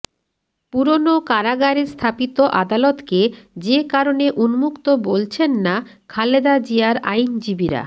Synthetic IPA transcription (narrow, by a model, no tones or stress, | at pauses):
puɾonokaɾaɡaɾist̪ʰapit̪oʔad̪alot̪ked͡ʑekaɾoneʔunmukt̪obolt͡ɕʰenːa | kʰaled̪ad͡ʑiaɾajnd͡ʑibiɾa̰